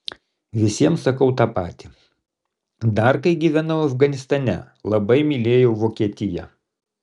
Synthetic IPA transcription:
ʋʲɪsʲiɛmsɐkɐʊt̪ɑːpɑ̰ːt̪ʲi | d̪ɐɾkɐɪɡʲiːʋʲænɐʊɐfɡɐnʲɪst̪ɐnʲɛ̰ | lˠɐbɐɪmʲɪlʲeːjoʊʋoːkʲiɛt̪ʲɪjɛ̰

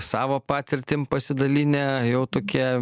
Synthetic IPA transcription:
sɑːʋoːpɑːt̪ʲɪɾʲt̪ʲɪmpɐsʲɪd̪ɐlʲiːnʲɛjɛʊt̪oːkʲiɛ

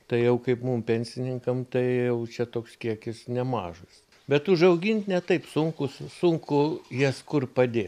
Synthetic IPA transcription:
t̪ɐɪjɛʊkɐɪpmumpʲɛnʲsʲɪnʲɪŋkɐmt̪ɐɪjɛʊt͡ʃʲɛt̪oːkskʲiɛkʲɪsnʲɛmɑːʒɐs | bʲɛt̪ʊʒɐʊɡʲɪnt̪ʲnʲɛt̪ɐɪpsʊŋkʊssʊŋkʊjiɛskʊrpɐd̪ʲeːt̪

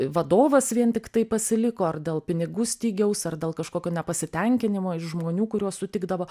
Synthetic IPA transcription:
ʋɐd̪oːʋɐsʋʲiɛnt̪ʲɪkt̪ɐɪpɐsʲɪlʲɪkoːɐrd̪ʲeːlˠpʲɪnʲɪɡuːsʲt̪ʲiːɡʲɛʊsɐrd̪ʲeːlˠkɐʃkoːkʲoːnʲɛpɐsʲɪt̪ʲɛŋʲkʲɪnʲɪmoːɪʃʒmoːnʲuːkʊɾʲuɔsʊt̪ʲɪɡd̪ɐʋoː

